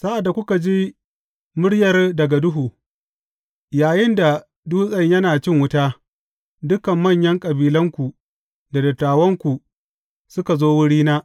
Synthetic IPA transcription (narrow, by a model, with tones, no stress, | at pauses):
sa˦ʔa˨dːa˨kʷʊ˦ka˨d͡ʒiː˦ | mʊ˦ɽjɐ˨rdɐ˨ɡa˨dʊ˦ɦuː˨ | jaː˨jɪ˦nda˨ | duː˦sʼɐ˦ɲjɐ˦naː˨t͡ʃɪ˦ŋwʊ˦taː˦ | dʊ˦kɐ˨mːɐ˦˨ɲjɐ˦ŋkʼɐ˨biː˨lɐ˦ŋkʷu˨ | da˨dɐ˨tːaː˨wɐ˦ŋkʷu˨ | sʊ˦ka˨zoː˦wʊ˦ɽiː˦naː˦